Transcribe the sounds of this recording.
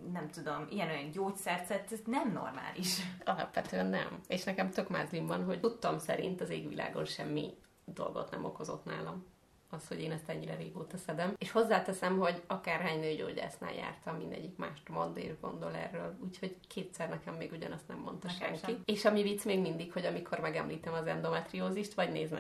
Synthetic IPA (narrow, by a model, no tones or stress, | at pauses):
nɛmt̪ud̪omiɛnojɒnɟoːcsɛrzɛt̪ːɛznɛmno̰rma̰ːliʃɒlɒ̰pʋɛt̪øɛnːɛ̰meːʃnɛkɛmt̪økmaːzlimbɒnɦo̞ɟut̪ːomsɛɾḭnt̪ɒzeːɡʋila̰ːɡo̞nʃɛmːḭ | d̪o̞̰lɡo̞̰t̪nɛ̰mo̞ko̞zo̞t̪na̰ːlɒm | ɒst̪ho̞ɟeːnɛst̪ɛɲːiɾɛɾeːɡoːt̪ɒsɛd̪ɛmeːʃho̞zːaːt̪ɛsɛmɦo̞ɟɒkaːrɦaːɲnøːɟo̰ːɟa̰ːsna̰ːja̰ːrt̪ɒmːind̪ɛ̰ɟːikma̰ːʃt̪mond̪ḛːrɡo̞nd̪o̞lɛ̰rːøːluːcho̞ɟkʰeːt̪sɛrnɛkɛmːeːɡuɟɒnɒst̪nɛmːo̞nt̪ɒʃɛ̰ŋkieːʃɒmivit̪smeːɡmind̪ikho̞ɟɒmikʰo̞rmɛɡɛmliːt̪ɛmɒzɛnd̪o̞mɛt̪rioːziʃt̪ʋɒɟneːzmɛ̰